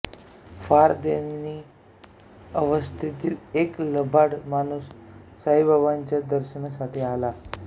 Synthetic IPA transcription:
faɾd̪eni | əʋəst̪ʰit̪iːlekləbʱaɽmañuːsː | aɦibʱaʋaɲt͡ɕjad̪əɾɕəɳsaʈʰiːala

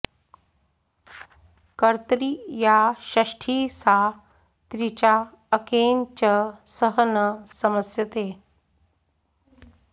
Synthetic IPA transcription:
kəɾt̪ɾijaɕɐʂʈʰiːsa | t̪ɾit͡ɕaː | keːnt͡ɕəsəɦənəsɐməsjət̪eː

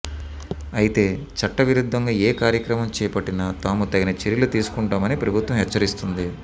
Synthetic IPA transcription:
ɐjit̪e̞ː | t͡ʃɐʈːɐʋiɾud̪ʱːɐŋɡaːeːkaːɾjɐkɾɐmɐmt͡ʃɛːjɐpɐʈːinɐt̪aːmut̪ɐɡinɐt͡ʃeɾilut̪iːsu̥kuɳʈaːmɐnipɾɐbʱut̪ʋɐmɦɛt͡ʃːɐɾist̪und̪i

